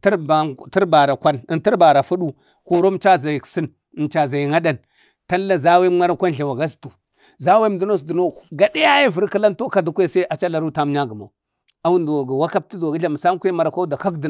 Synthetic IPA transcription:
tba˨ti˦ɾba˨ɾa˨kʷa˦nə˨nti˦ɾba˨ɾa˨fu˦ɗu˦ | ko˨ɾo˦m˦t͡ʃa˦za˨ji˨ksi˦n˨ | nt͡ʃa˨za˨ji˨ŋa˦da˦n | ta˦a˦za˦we˦ma˦ɾa˦kʷa˦nɬa˨wa˨ɡa˦stu˨ | za˦we˦m˦du˦no˦sdu˨no˦˨ɡa˨di˦ja˦ji˦və˨ɾka˦la˦nto˦ka˨du˦kʷe˦sa˦a˨t͡ʃa˦la˨ɾu˦ta˦m˦ɲa˦ɡə˨ma̰˨u˨ | a˦wu˦ndo˨ɡa˨wa˦ka˦b̚ti˦do˨ɡi˦ɮa˨m˨sa˦m˦kʷe˦ma˨ɾa˨kʷa˦da˨ka˦kdi˨

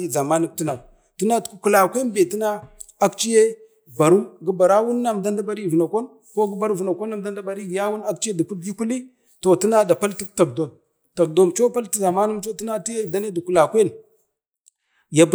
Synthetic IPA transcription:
i˦za˨ma˦nu˦mti˦na˨ | ti˦na˦tku˦˨ku˨la˨kʷe˦nbe˨ti˦na˦ | a˦kt͡ʃi˦je˦ | ba˨ɾu˦ɡi˦ba˨ɾa˦wu˦nːa˦˨m˨da˦nda˦ba˦ɾi˦˨vu˨na˨ko˦n | ko˦ɡi˦ba˨ɾu˦˨vu˨na˨ko˦nːa˦˨mda˦nda˦ba˨ɾi˦ɡja˦wu˦na˦kt͡ʃi˦je˦du˨ku˦di˦ku˦li˦ | to˨ti˦na˦da˨pa˦lti˦kta˨kdo˨m | ta˨k̚do˨mt͡ʃo˦pa˦lti˦za˨ma˦nu˦mt͡ʃo˦ti˦na˦ti˦je˦˨da˦ne˦du˨ku˨la˨kʷe˦n | ja˨b

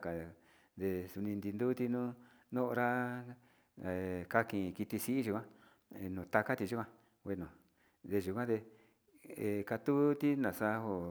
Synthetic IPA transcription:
ka˨ | d̪e˧su˧nĩ˧nd̪i˧nd̪u˦t̪i˧nũ˦ | nõ˦ʔɾa˦˧˨ | ka˧kĩ˧˨˧ki˧t̪i˧si˦ʔi˦ʒu˧kʷã˦˧ | nũː˨t̪a˧ka˦t̪i˧ʒu˦kʷã˧ | we˧nũ˨ | d̪e˧ʒu˨kʷã˦d̪e˧ | e˧ka˧t̪u˦t̪i˦nã˨sa˧ho˧

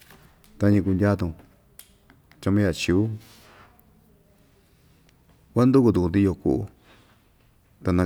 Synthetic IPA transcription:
t̪a˧˦ɲĩ˧ku˧ndʲa˦t̪ũ˧ | t͡ʃa˧mẽ˦ja˧˨t͡ʃi˧˨u˦ | kʷa˦nd̪u˦ku˧t̪u˧˨ku˧nt̪i˧o˧kṵ˧˨u˧ | t̪a˧nã˧

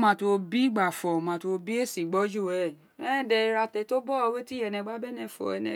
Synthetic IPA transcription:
mã˧to˧bi˦ɡ͡ba˨fɔ˨mã˧to˧bi˦e˦˨sĩ˨ɡ͡bɔ˦d͡ʒo˦˨ɛ˨ | ɛ̃˦˨dɛ˧i˧ɾa˧tɛ˧to˦bɔ˦˧we˦ti˦ɛ˧˨nɛ̃˧˦ɡ͡ba˦bɛ˦nɛ̃˧˨fɔ̰˨ɛ˧nɛ̰̃˨

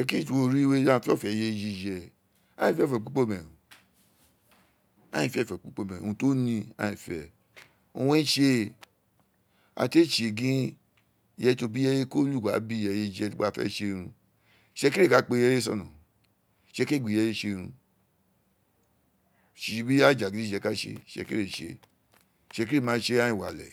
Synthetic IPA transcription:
ʃɛ˧˦ki˦˨tu˨o˧ɾi˦we˦a˦˧fi˦ɔ˦˨fɛ˨je˧d͡ʒi˧d͡ʒɛ˧ | a̰˦ĩ˨fɛ˦˨fɛ˨k͡pu˦k͡po˦˨mɛ̃˨ũ˨ | a̰˦ĩ˨fɛ˦˨fɛ˨k͡pu˦k͡po˦˨mɛ̃˨o̰˨ũ˧to˦nĩ˧a̰˦ĩ˨fɛ̰˨ | o˧wõ˦i˦ʃe˧ | a̰˧˨te˦˨t͡ʃe˨ɡĩ˦ | jɛ˧˦to˧bi˦jɛ˧je˦ko˦lu˦˨ɡa˨˦bi˦˨ɛ˧je˧d͡ʒɛ˧˦ɡ͡ba˦˧˦fɛ̰˦ʃe˧ɾ̃ũ˧˨ | ʃɛ˧ki˦ɾe˦˨ka˨˦k͡pe˧jɛ˧˦e˦sɔ̰˦˨nṵ̃˨ | ʃe˧ke˦˨ɡ͡bi˨ɛ˧je˧˦ʃe˧ɾ̃ũ˧ | ʃi˨˧bi˦a˦˨d͡ʒa˨ɡĩ˨˦i˦˨d͡ʒɛ˧ka˦ʃḛ˧˨ʃɛ̰˧kḭ˦ɾe˦˨ʃḛ˧˨ | ʃɛ˧ki˦ɾe˦˨mãː˨˦˧ʃe˧˦a˦ĩ˦˨wa̰˨lɛ̰˨

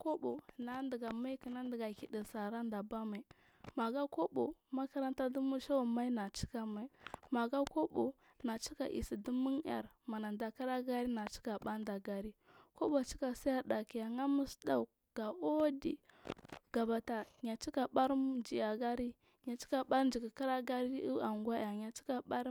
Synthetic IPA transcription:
ko˦bo˨na˨˦ndi˨ɡa˨ma˦ki˨na˦ndi˨ɡa˨ki˨di˨sa˨ɾa˦nda˨ba˦ma˨ | ma˨ɡa˦ko˦bo̰˨ma˦ka˦ɾa˦nta˦du˦mu˦ʃa˦wa˨ma˦i˦na˨t͡ʃi̥˦ka˦ma˨ma˨ɡa˦ko˦bo˨ | na˨t͡ʃi˦ka˨ʔḭ˨si˨du˦mu˦n˦a̰˨ɾ | ma˨na˨nda˨ka˦ɾa˦ɡa˦ɾi˦na˨t͡ʃi̥˦ka˨ɓa˦nda˨ɡa˨ɾi˦ko˦bo˨t͡ʃi̥˦ka˨sa˦ja˦da˨ki˨ja˨ŋa˦mu˦sda˦˨u˨ | ɡ̥a˨o˦di˨ | ɡ̥a˨ba˨ta˨ɲa˨t͡ʃi˦ka˨ɓa˦ɾd͡ʒi˨ja˨ɡa˦ɾi˦ | ɲa˨t͡ʃi̥˦ka˨ɓa˦ɾn˦d͡ʒi˨ki˨ka˦ɾa˦ɡa˦ɾi˦u˦a˨ŋɡwa˦a˨ɲa˨t͡ʃi̥˦ka˨ba˦ɾ

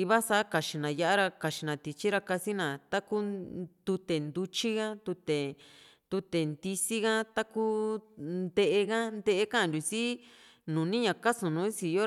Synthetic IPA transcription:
i˧βa˦sa˧˦ka˨t͡ʃi˨nã˨ja˧˦ʔa˦ɾa˧ka˨t͡ʃi˨nã˨t̪i˧t͡ʃi˦ɾa˧ka˧si˦nã˨t̪a˦ku˦t̪u˧t̪e˨nd̪u˧t͡ʃi˦ɣa˦t̪u˧t̪e˨ | t̪u˧t̪e˨nd̪i˧si˦ɣa˦t̪a˦ku˦nd̪e˧ʔe˧ɣa˦nd̪e˦ʔe˧kã˦˨nd̪ʲu˨si˦ | nũː˨nĩ˦ɲã˨ka˦sũ˨nũː˨˦si˧jo˦

